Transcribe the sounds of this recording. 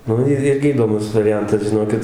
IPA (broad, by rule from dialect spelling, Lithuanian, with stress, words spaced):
ˈnʊ ɪr ˈɪrʲɡʲɪ iːdoːˈmʊs ʋɐrʲɪˈjɛntɐs ʒʲɪˈnoːkʲɪt